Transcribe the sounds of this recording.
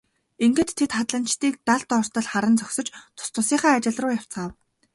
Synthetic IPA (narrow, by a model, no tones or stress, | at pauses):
eŋɡɘ̆t̪ʰːet̪χat̪ɮə̆nt͡ɕt̪iːk̚t̪aɮt̪ɔr̥t̪ə̆ɮχaɾə̆nt͡sɔksɞ̆t͡ɕt̪ʰʊ̥st̪ʊsiːχaːt͡ɕɪ̆ɮrʊːjaw̥t͡saːw